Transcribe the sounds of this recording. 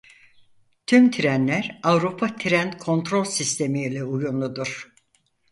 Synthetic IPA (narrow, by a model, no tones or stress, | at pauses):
t̪ʰymt̪ʰiɾænlʲæɾavɾupʰat̪ʰiɾænkʰo̞nt̪ɾo̞lʲsist̪ʰe̞milʲɛujunlˠud̪uɾ̥